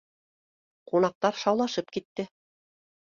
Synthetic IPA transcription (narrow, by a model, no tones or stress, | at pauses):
qunɑq̚t̪ɑɾʃɑwlˠɑʃɤpkit̪ːɘ